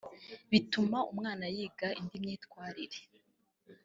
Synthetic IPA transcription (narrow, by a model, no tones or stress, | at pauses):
βitumaumŋaːnajiːɡaʔindimɲiːtkwaːɾiɾe